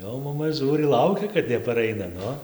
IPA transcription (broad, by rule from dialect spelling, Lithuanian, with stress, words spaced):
ˈjɛʊ mɐˈmɐ ˈʒuːrʲɪ ˈlˠɐʊkʲɛ kɐt nʲɛpɐˈrɐɪnɐ ˈnʊ